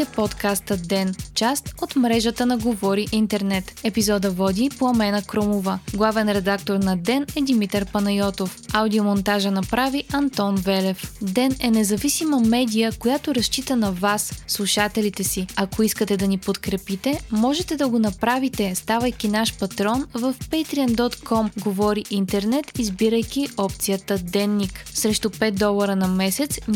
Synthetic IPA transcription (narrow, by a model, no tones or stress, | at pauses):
t̪ɛpɔt̪kast̪əd̪ɛnt͡ʃast̪ot̪mɾɛʒət̪ənɐɡovɔɾiʔint̪ɛɾnɛt̪ɛpizɔd̪əvɔd̪ipoɐmɛnəkɾɔmovəɡlˠavɛnɾɛd̪ak̚t̪oɾnɐd̪ɛnɛd̪imit̪əɾpɐnɐjɔt̪ofawd̪iomont̪aʒənɐpɾaviʔɐnt̪ɔnvɛlɛfd̪ɛnɛnɛzɐvisiməmɛd̪ʲijəkojat̪oɾɐʃt͡ʃit̪ənɐvasːlˠuʃat̪ɛlit̪ɛsiɐkoiskət̪ɛd̪ɐnipot̪kɾɛpit̪ɛmɔʒɛt̪ɛd̪ɐɡonɐpɾavit̪ɛst̪avəjkʲinaʃpɐt̪ɾɔnvəfpɛjt̪ɾiənd̪ɔt̪kɔmɡovɔɾiʔint̪ɛɾnɛt̪izbiɾəjkʲiɔpt̪sijət̪əd̪ɛnːiksɾɛʃt̪opɛt̪̚d̪ɔlˠɐɾənɐmɛsɛt̪s